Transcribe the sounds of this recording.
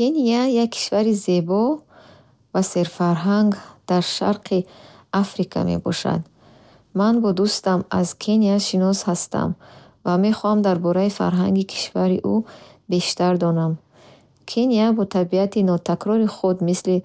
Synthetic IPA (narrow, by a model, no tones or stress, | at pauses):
kʰeniajakʰːi̥ʃvaɾize̞bɔ | vase̞ɾfaɾɦaŋɡd̪̥aɾʃa̰ɾqʰiafɾikʰa̰me̞̰bɔ̰ʃa̰d̪ | manbɔd̪ust̪amazkʰeniaʃinɔshast̪a̰m | vame̞χɔhamd̪aɾbɔɾaifa̰ɾɦaŋɡikʰi̥ʃvaɾiʔube̞ʃt̪aɾd̪ɔnam | kʰeniabɔt̪ʰabiat̪inɔt̪ʰakɾɔɾiχud̪misli